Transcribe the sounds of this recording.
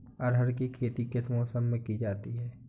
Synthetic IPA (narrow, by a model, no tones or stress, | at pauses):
ɐɾɦəɽkikʰeːt̪ikɪsmõːsəmːẽkid͡ʒaːt̪iɦɛː